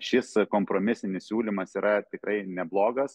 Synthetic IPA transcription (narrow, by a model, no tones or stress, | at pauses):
ʃʲɪskoːmpɾoːmʲɪsʲɪnʲɪssʲuːlʲimɐsiːɾɐt̪ʲɪkrɐɪnʲɛblˠoːɡɐs